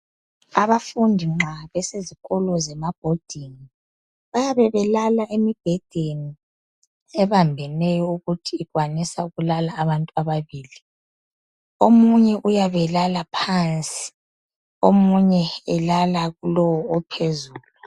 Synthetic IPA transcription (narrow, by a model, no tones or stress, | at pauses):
aβafundʱiŋ͡ǁʱaβɛseziɣɔlɔzɛmab̥ʱod̥ʱini | βajaβɛβɛlalaʔemib̥ʱɛd̥ʱeni | ɛβambʱɛnɛjɔuɣutʰiːɣwanisauɣulalaːβantʼuaβaβiːli | omuɲɛʔujaβɛlalapʰant͡sʼi̥ | omuɲɛːlalaɣulɔwɔːpʰezuːlu